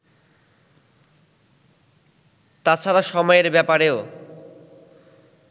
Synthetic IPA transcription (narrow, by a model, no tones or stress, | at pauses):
t̪at͡ɕʰaɾaʃɔmɔjeɾbɛpaɾeo